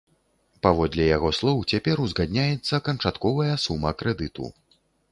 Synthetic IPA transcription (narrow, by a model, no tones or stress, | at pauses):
pavɔd̪lʲɛjaɣɔslˠɔwt͡sʲapʲɛɾuzɣad̪ʲnʲajɛt̪sːɐkɐnt͡ʂat̪kɔvɐjɐsumːɐkɾɛd̪ɨt̪ṵ